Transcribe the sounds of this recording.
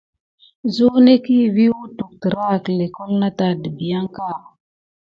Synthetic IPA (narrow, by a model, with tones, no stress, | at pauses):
zu˦ne˦ki˦˨vi˦wu˦tu˨k̚tə˨ɾa˦˨kle˨ko˦lna˦ta˨də˨bi˨ja˦ŋka˦˨